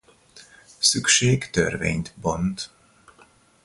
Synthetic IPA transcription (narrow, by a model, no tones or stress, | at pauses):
sykʃeːɡt̪ø̰rvḛːɲt̪bont̪